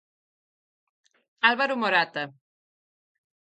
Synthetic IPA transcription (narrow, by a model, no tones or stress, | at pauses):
alβaɾumoɾat̪a